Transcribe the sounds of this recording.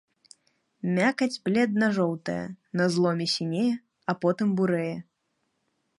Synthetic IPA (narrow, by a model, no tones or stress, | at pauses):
mʲakɐd͡zʲblʲɛd̪̚nɐʐɔwt̪ɐ̰jɐ̰nɐzlˠɔmʲɛsʲinʲejɛ | ɐpɔt̪ɨmbuɾɛjɛ